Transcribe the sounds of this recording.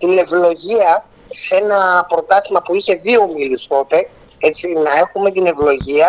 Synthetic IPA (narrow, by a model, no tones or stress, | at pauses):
t̪ine̞vlo̞ʝiɐ | se̞nɐpɾo̞t̪ɐθimɐpuiçe̞ðio̞miliskot̪e | et͡sinɐe̞xume̞t̪ine̞vlo̞ʝiɐ